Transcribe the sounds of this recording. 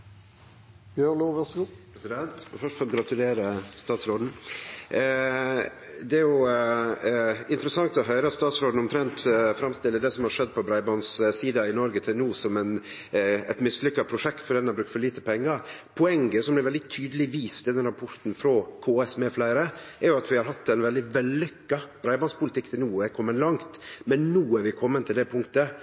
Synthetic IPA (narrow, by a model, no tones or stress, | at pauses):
bjønoːʋɛsɡupʰɾɛsɪd̪ɛnt̪ɔfœʂtfɔɾɔɡɾɑt̪ʉleːɾəst̪ɑːt̪sɾoːd̪n̩ | d̪ɛæɾjʊ | ɪnt̪əɾəsɑŋt̪ɔɦœʏɾəɑt̪st̪ɑːt̪sɾoːd̪n̩ɔmt̪ʰɾɛnt̪fɾɑmst̪ɪlːəd̪ɛsɔmhɑɾʂɛd̪̚ːpʰɔbɾɑɪbɔnssiːd̪ɑɪnɔɾɡət̪ʰɪlnuːsɔmɛn | ɛ̰t̪mɪsːlʏkːɑpʰɾʊʂɛkt̪fɔɖ̪ɛnːɑbɾʉkt̪fɔɾɭiːt̪əpʰɛŋːɑɾpʰʊɛŋɡəsɔmblɪɾʋɛld̪ɪt̪ʰyːd̪əlɪʋiːst̪ɪld̪ɛnɾɑpʰɔɾt̪n̩fɾoːkʰoːɛsmeːflæɪəɾəɛɾjʊɑt̪ʋɪhɑɾɦɑt̪ːɛnʋɛld̪ɪʋɛlːʏkːɑb̥ɾæɪbɑnspʊlɪt̪ɪkːt̪ʰɪlnuːəkʰɔmːənlɑŋt̪mɛnːuːæɾʋɪkʰɔmːənt̪ʰɪld̪ɛpʰʊŋkt̪ə